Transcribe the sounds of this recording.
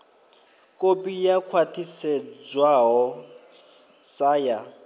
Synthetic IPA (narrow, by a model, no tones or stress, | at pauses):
kʼopʼijakʰwatʰisɛd͡zwaɦɔ | saːja